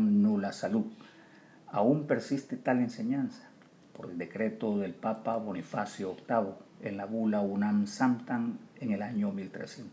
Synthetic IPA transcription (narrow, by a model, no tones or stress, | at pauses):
ŋnulasaluð | a̰umpeɾsist̪et̪ale̞nseɲansḁ | poɾeld̪ekɾet̪oðe̞lpapaβonifasjookt̪aβoḛnlaβulaunamsamt̪aŋeŋelaɲomilt̪ɾḛsjent̪o̥